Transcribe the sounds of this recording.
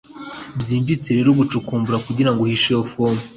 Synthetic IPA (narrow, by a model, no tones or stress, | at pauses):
bjiːɱvit͡se̞ɾe̞ɾuβut͡ʃukuːmbuɾakuɟiɾaŋɡohiʃejofomu